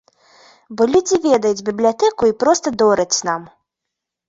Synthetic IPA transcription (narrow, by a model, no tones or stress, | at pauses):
bɔlʲud͡zʲivʲɛd̪ɐjud͡zʲbʲiblʲijat̪ɛkuipɾɔst̪ɐd̪ɔɾɐt͡sʲnam